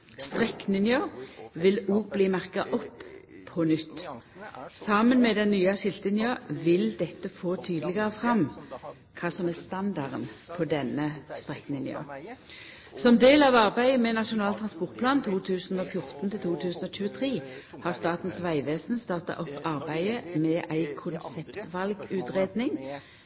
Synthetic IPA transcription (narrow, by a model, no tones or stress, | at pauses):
st̪ʁɛkːnɪnjøʋɪluːɡ̚bliːmæʁkɑʔɔpːʰ | ɔnʏt̪ː | sɑmənmɛd̪ɛnːyːɑʃɪlt̪əɪnjøːʋɪld̪ɛt̪ːəfoːt̪ʰyːd̪əlɪɡəʁəfʁɑm | kʰɑːsɔmæst̪ɑnd̪ɑʁənpʰɔd̪ɛnəst̪ʁɛkːnɪnɪ̰o̰ː | sɔmd̪eːlɑʋɑʁbæɪəmɛnɑʂʊnɑːlt̪ʰʁɑnspɔʁt̪̚pʰlɑːnt̪ʰuːt̪ʰʉːsn̩ɔfjʊʁt̪n̩t̪ʰɪlt̪ʰuːt̪ʰʉːsn̩ɔːc͡çʉːət̪ʰʁiːhɑʁst̪ɑːt̪n̩sʋæɪʋeːsn̩st̪ɑːʁt̪ɑ̰ʔɔpːɑʁbæɪəmɛʔæɪkʰʊnsɛpt̪ʋɑlɡʉːt̪ʁeːd̪nɪŋ